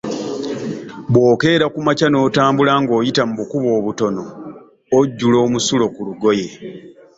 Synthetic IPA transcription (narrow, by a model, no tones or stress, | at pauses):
βwo̞ːke̞ːɾakumacano̞ːtaːmbulaŋɡo̞ːjitamuβukuβo̞ːβuto̞no̞ː | ɟːulo̞ːmusulo̞kuluɡo̞je̞